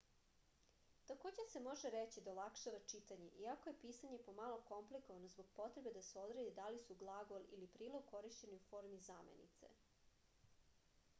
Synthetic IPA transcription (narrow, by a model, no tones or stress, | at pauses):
t̪ako̞ːd͡ʑese̞mo̞ʒeɾet͡ɕid̪aolˠakʃaʋat͡ʃit̪aɲeʔiakoje̞piːsaɲe̞po̞malˠoko̞mpliko̞ʋano̞zbo̞ɡ̥̚po̞t̪ɾebe̞d̪aseo̞d̪ɾed̪id̪alisuɡlˠaɡo̞lilipɾiːlˠoɡ̚ko̞ɾiʃt͡ɕe̞niufo̞ɾmizaːmḛnḭt̪sḛ